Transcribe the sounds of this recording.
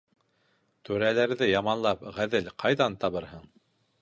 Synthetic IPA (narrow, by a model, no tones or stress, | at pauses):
t̪ɵɾælæɾðɘjɑmɑnlˠɑpʁæðɘlqʰɑjðɑnt̪ɑβɤɾɦɤɴ